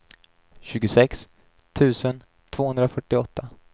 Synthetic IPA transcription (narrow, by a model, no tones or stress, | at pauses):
ɕʉ̟ːɡʊsɛks | t̪ʰʉ̟ːsən | t̪ʰv̥oːhɵnd̪ɾafœʈːɪɔt̪ʰːa